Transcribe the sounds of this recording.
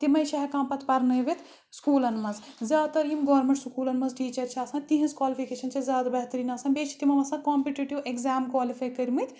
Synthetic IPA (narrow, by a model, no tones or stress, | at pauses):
t̪imɐjʃɐɦɐkãːmpɐt̪ʰpɐɾnɐjʋet̪ʰ | skuːlɐnmɐz | zʲaːd̪t̪ɐɾjimɡoːɾmẽɳʈskuːlɐnmɐzʈiːt͡ʃɐɾt͡ʃʰaːsãːt̪iɦĩzkwaːlipʰikeːʃɐnt͡ʃʰɐzʲjaːd̪ɐbɐɦt̪ɐɾiːnaːsãːbeːt͡ʃʰi̥t̪imɐʋɐsãːkaːmpiʈiʈiʋekzaːmkʋaːlifʰaːjkɐɾʲmɐt̪ʰ